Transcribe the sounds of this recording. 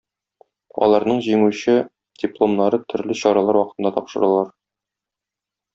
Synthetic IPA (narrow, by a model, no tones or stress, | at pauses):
ɒ̰lˠɑɾnɤɴʑimʉɕɘ | d̥ʲɪplˠo̞mnɑɾɤt̪ʰɵ̆ɾlɘɕɒɾɑlˠɑɾwɒqɤ̥̆t̪ɤ̆nd̪ɑt̪ɒpʃɤ̆ɾɤlˠɑɾ